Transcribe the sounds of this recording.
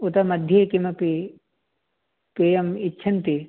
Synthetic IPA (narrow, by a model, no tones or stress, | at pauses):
ut̪ɐmɐd̪ʱjeːkimɐpi | peːjɐmitːʃʰɐnt̪i